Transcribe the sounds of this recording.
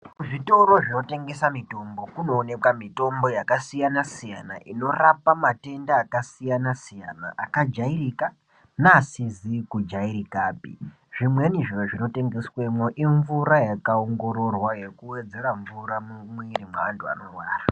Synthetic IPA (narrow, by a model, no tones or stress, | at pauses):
ʐito̞ɾo̞ʐino̞te̞ŋɡe̞samito̞mbo̞kuno̞ːne̞kwamito̞mbo̞jakasijanasijanaʔino̞rapamate̞ndaːkasijanasijana̰ʔakad͡ʒairika | naːsizikud͡ʒairikaːpḭ | ʐ̥imwe̞niʐiroʐino̞te̞ŋɡe̞swe̞moʔiɱvuɾajakaoŋɡo̞ɾo̞rwaje̞kuwe̞d͡ze̞raɱvuɾamwirimwaantʰua̰no̞rwaːra